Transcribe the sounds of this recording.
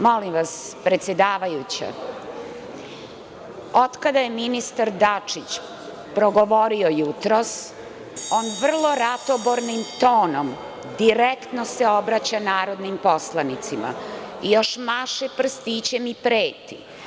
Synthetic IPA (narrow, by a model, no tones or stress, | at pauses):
mo̞limʋaspɾe̞t̪sjed̪aːʋajut͡ɕa̰ | od̪kad̪aje̞minist̪aɾd̪at͡ʂit͡ɕ | pɾoɡo̞ʋo̞ɾiojut̪ɾos | o̞ːnʋr̩lˠo̞ɾat̪oboɾnimt̪o̞ːno̞m | d̪iɾekt̪noseo̞bɾat͡ɕanaːɾo̞d̪nimpo̞slˠanit̪sima̰ijo̞ʃmaʃepr̩st̪it͡ɕemipɾeːt̪ḭ